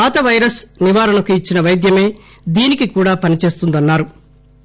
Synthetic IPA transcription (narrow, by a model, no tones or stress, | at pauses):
aːt̪ɐʋɐjɾɐsniʋaːɾɐnɐkuit͡ʃːinɐʋɐjd̪jɐme̞ː | d̪iːnikikuːɽaːpɐnit͡ʃe̞ːst̪und̪ɐnːaːɾu